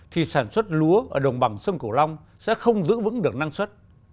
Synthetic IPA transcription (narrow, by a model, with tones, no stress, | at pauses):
t̪ʰi˨˩saː˧˩nswə˦˥t̚lu˨˦əʔəː˧˩ɗə˨˩wŋ͡mɓa˨˧˩ŋsə˧nku˧˩la˧wŋ͡m | sɛ̰˧˥xə˧wŋ͡mzɨ̰˧˥vɨ̰˧˥ŋɗɨ˨˩ək̚na˧ŋswə˦˥t̚